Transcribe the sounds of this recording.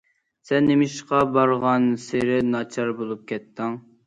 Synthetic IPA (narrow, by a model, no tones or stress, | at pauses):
sɛnːemɪʃqɑbɑɾʁɑnseɾɪnɑt͡ʃʰɑɾbolˠup̚kʲʰɛt̪ːɪŋ